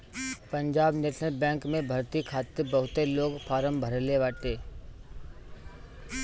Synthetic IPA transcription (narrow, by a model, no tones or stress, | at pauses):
pəɲd͡ʒaːbneːʃnəlbɛ̃ːŋkmẽbʱəɾt̪ikʰaːt̪ebəɦʊt̪eloːɡpʰaːɾəmbʱəɾleʋaːʈeː